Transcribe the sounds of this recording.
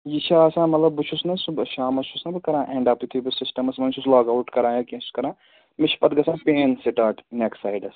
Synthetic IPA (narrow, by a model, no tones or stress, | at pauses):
jit͡ʃʰaɐsãːmɐt̪lɐbːɨt͡ʃʰusnɐsʃaːmɐt͡ʃʰusnɐbɨkɐɾãːʔẽːɳɖaːpt̪it̪ʰibɐsɪsʈɐmɐsmɐnt͡ʃʰuslaːɡawʈkɐɾãːjɐkẽːsu̥skɐɾãː | mɪt͡ʃʰpɐt̪ɡɐsʰãːpeːnsiʈaːʈneksaːjɖɐs